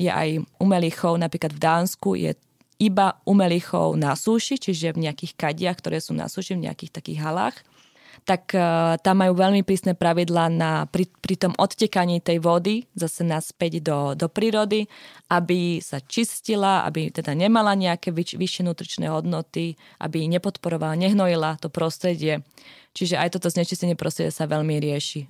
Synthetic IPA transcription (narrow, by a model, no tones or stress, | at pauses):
jɛ̰ʔa̰jumɛlixɔʊnapɾiːklad̪vd̪aːnskujɛ̰ | ibaumɛlixɔ̰ʊnasuːʃit͡ʃiʒɛvɲɛakiːxkaɟɪaxkt̪ɔɾʔɛːsuːna̰suːʃivɲɛ̰a̰kiːxt̪akḭːɣɦala̰ːx | t̪akt̪amːajuːʋɛʎmipɾiːsnɛːpɾaʋid̪laːnapɾipɾit̪ɔmʔɔt̪cɛkaɲiːt̪ɛjʋɔd̪izasɛnaspɛɟd̪ɔd̪ɔpɾiːɾɔd̪iʔabisat͡ʃiscilaa̰bit̪ɛd̪aɲɛmalaɲɛakɛʋiʋiʃjɛnuːt̪ɾit͡ʃnɛ̰ːɦɔd̪nɔt̪i | ʔa̰biɲɛpɔt̪pɔɾɔʋalaɲɛɦnɔjilat̪ɔpɾɔst̪ɾɛɟɪɛ | t͡ʃiʒɛʔajt̪ɔt̪ɔzɲɛt͡ʃiscɛɲɪɛpɾɔst̪ɾɛɟɪɛsaʋɛʎmiɾɪɛʃi